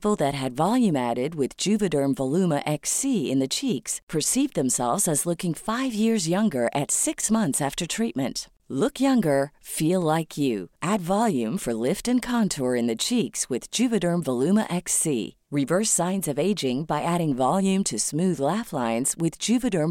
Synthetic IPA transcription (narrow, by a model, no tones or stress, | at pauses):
pl̩ˠðɨt̚ɦɨdvɑlˠjʉ̃mæɾɪd̚wɪðd͡ʒʉvɨɾə̃˞ɱvəlʉməʔɛksiɪ̰̃nðɨt͡ʃʰikspʰə˞sivðɨ̃msɛ̰lˠvzɨzlʊkɪ̃ŋfaɪvjɪɹzjʌ̃ŋɡə˞ʔɨtsɪksmʌ̃nθsæftə˞tʰɹ̥it̚mɨ̃nt | lʊkjʌ̃ŋɡə˞filˠlaɪkʰjʉ̰ʔædvɑlˠjʉ̃ɱfə˞lɪftɨ̃nkʰɑ̃ntʰɔɹɨ̃nðɨt͡ʃʰikswɨð̥d͡ʒʉvɨɾə̃˞ɱvəlʉmə̰ʔɛksḭ | ɹɨvɜ˞sãɪ̃nzʌveɪd͡ʒɪ̃ŋbaɪʔæɾɪ̃ŋvɑlˠjʉ̃mtʰɨsmʉðlæflãɪ̃nz̥wɪðd͡ʒʉvɨɾə̃˞m